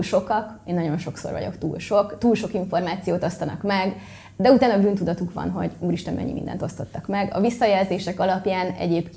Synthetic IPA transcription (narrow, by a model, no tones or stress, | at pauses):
lʃo̞kɒkeːnːɒɟo̞nʃo̞kso̰rvɒ̰ɟo̞̰kt̪ṵːlʃo̞kt̪uːlʃo̞kiɱfo̞rmaːt̪sijoːt̪o̞st̪ɒnɒkmɛɡ | d̪ɛut̪aːnɒbyːnt̪ud̪ɒt̪ukʋɒ̰nɦo̞̰ɟuːɾiʃt̪ɛnmɛ̰ɲːḭmḭnd̪ɛ̰nt̪o̞st̪o̞t̪ːɒkmɛɡɒ̰visːɒjɛlzeːʃɛkɒlɒpjaːnɛ̰ɟeːpk